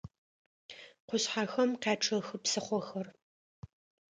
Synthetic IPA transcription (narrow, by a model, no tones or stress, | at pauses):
qʷʊɕħaːxɐmqeːʈ͡ʂʰɐxɨpsɨχʷɔxɐr